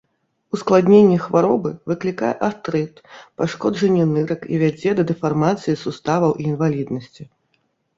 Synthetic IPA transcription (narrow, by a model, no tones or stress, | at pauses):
usklˠad̪ʲnʲenʲːɛxvaɾɔbɨvɨklʲikajɛʔast̪ɾɛt̪paʂkɔd͡ʐɐnʲːɛnɨɾɐkḭvʲad͡zʲɛd̪ɐd̪ɛfarmat̪sɨjisust̪avɐwʔiːnvalʲid̪nɐsʲt͡sʲi